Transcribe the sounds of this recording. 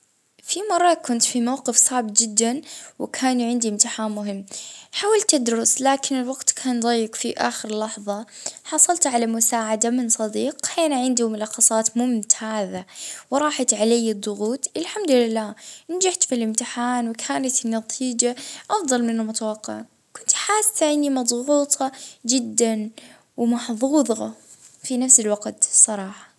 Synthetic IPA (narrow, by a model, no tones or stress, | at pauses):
fimɑrˤːɑkʊnt̪fimawqɨfsˤɑːʕbɪt̪̚d͡ʒɪd̪ːanwɪkʰaːnʕɪnd̪iʔɪmt̪ɪħaːnmʊɦɪmːħaːwalt̪ːɪd̪ɾʊslaːkɪnɪlwaɡt̪kʰaːnðˤɑjːɪqfiʔa̰ːxɪɾɪlːɑħðˤɑħɑsˤɑlt̪ʕalamʊsaːʕad̪amɪnsˤɑd̪iːqhaːnaʕɪnd̪umʊlɑxːɑsˤɑːt̪mʊmt̪ʰaːðawɾˤɑːħɑt̪ʕalajːɨd̪ˤːʊɣuːt̪ʔɪlħamd̪ʊlɪlːaːnad͡ʒaħt̪filʔɪmt̪ɪħaːnwɪkʰaːnat̪ɪnːat̪ʰiːd͡ʒaʔɑfd̪ˤɑlmɪnamʊt̪awɑqːɪ̰ʕa | kʊnt̪ħaːsaʔɪnːimɑd̪ˤɣuːt̪ˤʰɑd͡ʒɪd̪ːan | wɪmɑħðˤuːðˤɑɑ | finafsɪlwaɡt̪sˤːɑɾˤɑːħɑ̥